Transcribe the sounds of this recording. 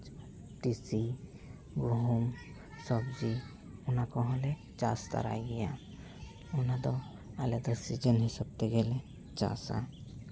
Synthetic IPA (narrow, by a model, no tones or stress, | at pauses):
ʈisi | ɡɔɦum | sɔbd͡ʒi | unakɔɦɔ̃lɛ | t͡ʃa̰st̪a̰ɾa̰jɡɛja | unad̪ɔ | alɛd̪ɔsid͡ʒənɦisɔb̚t̪ɛɡɛlɛ | t͡ʃa̰sa̰